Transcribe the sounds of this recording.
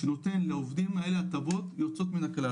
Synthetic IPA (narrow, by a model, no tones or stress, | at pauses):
enot̪e̞nlaovd̪imae̞leat̪abo̞t̪jot͡so̞t̪minakla